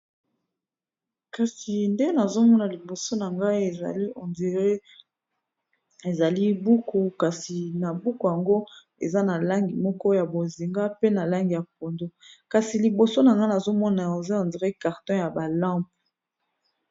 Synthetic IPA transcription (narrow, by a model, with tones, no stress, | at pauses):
ka˨si˨nde˦na˨zo˦mɔ˦na˨li˨bo˨so˦na˨ŋɡa˦i˦e˨a˨li˦o˨nde˨ʁe˦ | e˨za˨li˦bu˦ko˨ka˨si˨na˨bu˦ko˨ja˨ŋɡo˦ | ḛ˨za˦na˨la˦ŋɡi˨mɔ˦kɔ˦ja˨bo˨zi˨ŋɡa˦pe˦na˨la˦ŋɡi˨ja˨p̚o˨ndo˦ka˨si˨li˨bo˨so˦na˨ŋɡa˦na˨zo˦mɔ˦na˨o˨za˦ɔ˨ndi˨ʁe˦ka˨ʁtɔ̃˦ja˨ba˨lã˦p̚